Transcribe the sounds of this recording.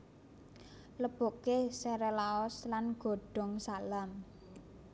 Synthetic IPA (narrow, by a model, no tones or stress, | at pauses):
ləb̥o̤kesɛɾɛlaɔslanɡ̥o̤ɖ̥ɔ̤ŋsalam